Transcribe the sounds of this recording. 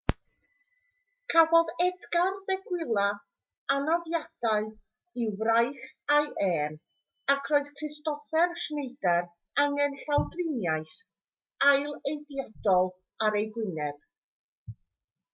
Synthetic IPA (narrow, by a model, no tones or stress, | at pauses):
kʰabɔðɛdɡarbɛɡwɪlˠa | anɔvjad̥aɨ | ivrajχajʔɛːn | akʰrɔːɨð̥kʰrɪstɔfɛrʃnejdɛr | aŋɛnɬawdrɪnjajθ | ajlˠejdijadɔlˠ | aɾejɡwɪnɛb̥̚